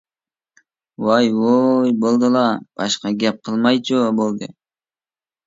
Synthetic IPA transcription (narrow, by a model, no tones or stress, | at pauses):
wɑjwojbolˠd̪ɨlˠɑb̥ɑ̰ʃqɑɡʲɛp̚qʰəlˠmɑjt͡ʃʰubolˠd̪ɨ